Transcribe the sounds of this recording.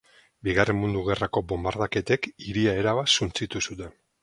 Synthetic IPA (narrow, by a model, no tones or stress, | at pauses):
biɣare̞mmund̪uɣe̞rako̞bo̞mbaɾðake̞t̪e̞kiɾiae̞ɾaβasunt͡sit̪usut̪e̞n